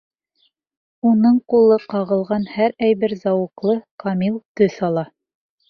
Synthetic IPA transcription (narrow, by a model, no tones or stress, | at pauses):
unɤɴqulˠɤqɑʁɤ̆lˠʁɑnhæɾæjβɘɾzɑwɤ̆qlˠɤqɑmilˠt̪ɵθɑlˠɑ